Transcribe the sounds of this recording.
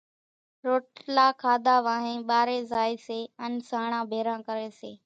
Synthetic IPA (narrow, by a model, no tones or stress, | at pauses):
ɾoːʈlaːkʰaːd̪ʱaːʋaːɦẽːɓaːɾeːzaːiːseːənsaːɳ̃ãːbʱeːɾãːkəɾeːseː